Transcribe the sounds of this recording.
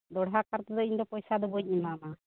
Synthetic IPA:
d̪ɔɽɦakaɾt̪ɔd̪ɔiɲd̪ɔpɔjsad̪ɔbɔɲ̚imana

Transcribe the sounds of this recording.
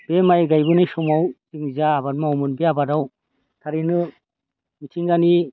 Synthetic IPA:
b̥emajɡajbɯnajsɔmawziŋzaːbat̚maɔwmɯnbeabadaw | tʰaɾinɯ | mitʰiŋɡani

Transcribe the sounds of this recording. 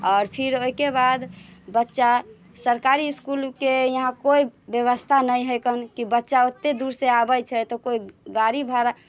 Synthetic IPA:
ɔːɾpʰiɾoikebad̪bətːʃa | səɾkaɾiːskulkejəɦãkoibjəβəst̪ʰanəjɦəjkənkibətːʃaot̪ːed̪uɾseabəjt͡ʃʰɛt̪ɔkoiɡaɾibʱaɾa

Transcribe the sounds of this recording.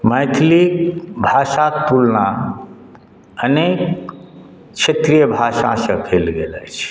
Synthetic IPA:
mət̪ʰlikbʱaʃakt̪ulna | ənek | t͡ʃʰet̪ɾijəbʱaʃã̰sə̃kʰelɡelɛt͡ʃʰ

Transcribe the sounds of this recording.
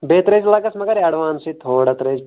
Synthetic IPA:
beːt̪ɾed͡ʒlaɡɐsmɐɡɐɾaɽʋaːnsit̪ʰoːɽat̪ɾed͡ʒ

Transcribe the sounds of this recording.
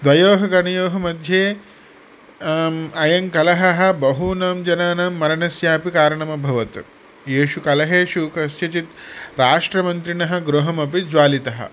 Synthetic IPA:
d̪ʋɐjoːɦɐɡɐɳɐjoːɦɐmɐd̪ʱjeː | ɐjɐŋkɐlɐɦɐɦɐ̆bɐɦunaːmd͡ʒɐnaːnɐːmːɐɾɐɳɐsjaːpikaːɾɐɳɐmɐbʱɐʋɐt̪u | jeːʃukɐlɐɦeːʃuːkɐsjɐt͡ʃit̪ɾaːʂʈɾɐmɐnt̪ɾiɳɐɦɐ̆ɡɾuɦɐmɐpid͡ʒʋaːlit̪ɐɦɐ̰̆

